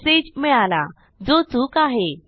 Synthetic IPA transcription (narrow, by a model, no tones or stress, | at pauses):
sed͡ʑmɛɭala̰ | d͡zot͡suːkaɦe